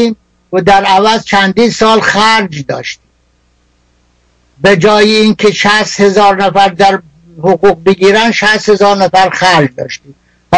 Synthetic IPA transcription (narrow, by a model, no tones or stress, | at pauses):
iːm | d̪æɾævæzt͡ʃʰænd̪iːnsɒːlxæɾd͡ʒd̪ɒ̰ːʃt̪iː | bed͡ʒɒːjeinkʰeʃæst̪hezɒːɾnæfæɾd̪æɾ | hoɣuːɣ̚beɡiːɾænd̪ʃæst̪he̞zɒːɾnæfæɾxæɾd͡ʒd̪ɒ̰ːʃt̪iːm